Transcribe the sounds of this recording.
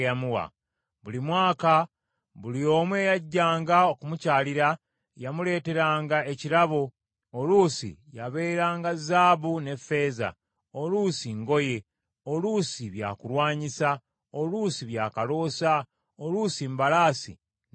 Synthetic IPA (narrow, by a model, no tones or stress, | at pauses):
jamuwa̰ | βulimwaːka | βulio̞ːmwe̞ːjaɟːaːŋɡaokumucaːliɾa | jamule̞ːte̞ɾaːŋɡae̞ciɾaβo̞ | oluːsḭjaβe̞ːɾaːŋɡazaːβune̞fe̞ːza̰ | o̞lusiŋɡo̞je̞ | olusiβja̰ːkuɾwaːɲisa | olusiβjaːkalo̞ːsa | olusimbalaːsḭ